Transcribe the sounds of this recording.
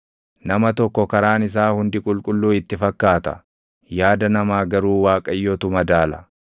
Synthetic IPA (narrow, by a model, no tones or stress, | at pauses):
nɐmɐt̪ɔkːɔkɐɾaːnɪs̬aːhʊnd̪ɪkʼʊlkʼʊlːuːɪt̪ːɪfɐkːaːt̪ɐ̥̰ | jaːd̪ɐnɐmaːɡɐɾuːwaːkʼɐjːot̪ʊmɐd̪aːlɐ